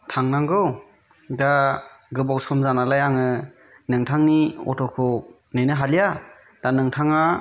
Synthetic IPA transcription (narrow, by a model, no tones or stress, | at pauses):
tʰaŋnaŋɡɯw | da | ɡɯbawsɔmzanalajaŋɯ | nɯŋtʰaŋniɔ̰tʰɔkʰɯ | nejnɯɦalija | d̥anɯŋtʰaŋa